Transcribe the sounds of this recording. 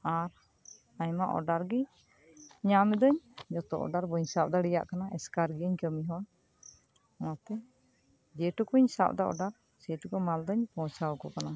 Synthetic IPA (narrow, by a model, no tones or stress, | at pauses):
aɾ | aɲmaʔɔ̰ɖaɾɡi | ɲamid̪ɔɲd͡ʒɔt̪ɔ̰ʔɔ̰ɖaɾbɔɲsap̚d̪aɽɛja̰ʔkanaʔɛskaɾɡiəɲkəmiɦɔn | mat̪ɛ | d͡ʒɛʈukuɲsa̰p̚d̪aʔɔ̰ɖaɾ | sɛʈukɔmald̪ɔɲpɔ̃t͡ʃawkɔkana